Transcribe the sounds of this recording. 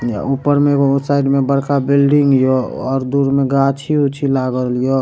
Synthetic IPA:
upəɾmẽkosaːɪʈmebəɽkabilɖiŋɡjoɔːɾd̪uɾmẽɡat͡ʃʰiut͡ʃʰilaɡəlijo

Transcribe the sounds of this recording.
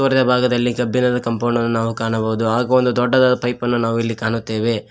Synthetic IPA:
ʋɐɾɐd̪ɐbʱaːɡɐd̪ɐlːikɐbːinɐd̪ɐkɐmpɐːɳɖɐnːunaːʋukaːɳɐbɐʋud̪uaːɡɐond̪ud̪ɔɖːɐd̪aːd̪ɐpʰɐjpɐnːunaːʋuilːikaːɳut̪ːe̞ːʋe̞

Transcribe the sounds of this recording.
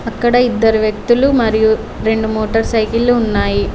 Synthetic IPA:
ɐkːɐɽɐid̪ːɐɾuʋjɐk̚t̪ulumɐɾiju | ɾe̞ɳɖumoːʈɐɾsɐjkilːuːnːaːji

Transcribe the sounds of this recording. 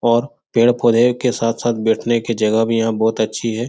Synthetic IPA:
ɔːɾ | peːɽpʰoːd̪ʱekesaːt̪ʰsaːt̪̚ʰbeːʈʰnekid͡ʒɐɡəɦbʱijɐɦãbɔːt̪ɐtːʃʰiɦɛː

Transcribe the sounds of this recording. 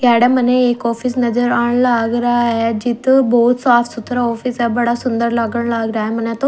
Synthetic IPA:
ɡaːɽeməneeːkɔːfʰisnɐzəɾaːɽ̃laːɡɾaaɦed͡ʒɪt̪boːt̪saːfsut̪ɾaɔːfʰisɛbɐɽasʊnd̪əɾlaːɡəɽ̃laːɡɾaːɦemənet̪o

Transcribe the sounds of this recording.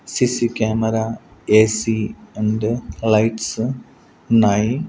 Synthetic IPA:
sisikʲaːmɐɾɐesienɖɨlɐjʈsɨ | unaːji

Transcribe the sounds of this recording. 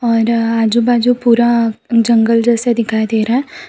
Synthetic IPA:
ɔːɾaːd͡ʒubaːd͡ʒupuːɾad͡ʒəŋɡəld͡ʒɛːsɛd̪ɪkʰaːed̪eːɾaɛ

